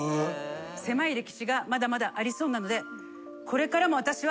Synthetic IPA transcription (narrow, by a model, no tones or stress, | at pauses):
se̞maiɾe̞kʲi̥ɕiɡamad̪amad̪aʔaɾʲiso̞ːnano̞d̪e̞ | kʰo̞ɾe̞kaɾamo̞β̞at̪aɕiβa